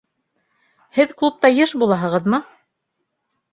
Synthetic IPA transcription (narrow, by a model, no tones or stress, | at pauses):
hɘðklˠup̚t̪ɑjɤʃbulˠɑɦɤ̆ʁɤ̆ðmɤ